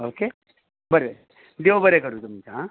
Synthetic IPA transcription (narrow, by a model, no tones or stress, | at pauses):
oːke | bəɾebɾ | d̪eʋobəɾekəɾut̪umt͡ʃa